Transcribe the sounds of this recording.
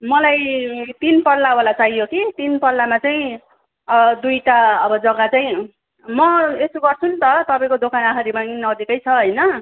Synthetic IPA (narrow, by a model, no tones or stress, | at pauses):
mʌlajt̪inpʌrllːawalat͡sajjokit̪inpʌrlːamat͡saĩ | ʌd̪ujʈaʌbʌd͡zʌɡat͡saĩ | mʌesuɡʌrt͡sʰunt̪ʌt̪ʌpaĩkod̪okʰanaɦaɾimanʌd͡zikʌjt͡sʰʌɦʌjnʌ